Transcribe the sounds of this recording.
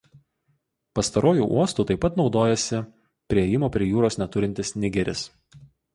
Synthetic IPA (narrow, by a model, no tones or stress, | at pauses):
pɐst̪ɐɾoːjuːʔṵɔst̪uːt̪ɐɪpːɐt̪nɒʊd̪oːjɛsʲɪ | pʲɾʲiɛjɪmoːpʲɾʲiɛjuːɾoːsnʲɛt̪ʊɾʲɪnʲt̪ʲɪsnʲɪɡʲɛɾʲɪs